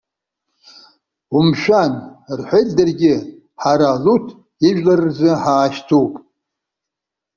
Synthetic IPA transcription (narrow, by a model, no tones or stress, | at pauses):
umʃᶣanrħʷejtʼdɨrɡʲɪ | ħaɾalutʰ | iʒᶣlarɨrzɨħaːʃtʰowpʼ